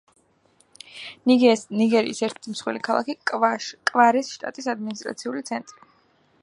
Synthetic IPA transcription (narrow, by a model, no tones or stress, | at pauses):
niɡɛniɡɛɾḭisɛɾt̪ʰɛ̥t̪ʰimsχwḭlikʰalˠa̰kikʼkʼvaɾɛsʃt̪ʼa̰t̪ʼisad̪minist̪ʼɾat̪sʰiulit̪sʰɛnt̪ʼɾi